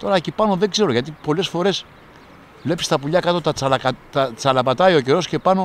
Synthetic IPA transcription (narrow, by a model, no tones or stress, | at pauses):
t̪o̞ɾɐecipɐno̞ðe̞ɡze̞ɾoʝɐt̪̬ipo̞le̞sfo̞ɾe̞s | vle̞pist̪ɐpuʎɐkɐt̪o̞t̪ɐt͡sɐlɐt̪ɐt͡sɐlɐpɐt̪ɐio̞ce̞ɾo̞sce̞pɐno̞